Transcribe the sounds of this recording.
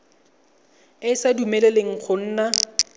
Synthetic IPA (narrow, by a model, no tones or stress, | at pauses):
ɪsadumɛleleŋ̩k͡xʰʊn̩ːna